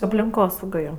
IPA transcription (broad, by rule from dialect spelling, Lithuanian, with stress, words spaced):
ɐpʲlʲɪŋˈkoːsɐʊɡɐ ˈjoː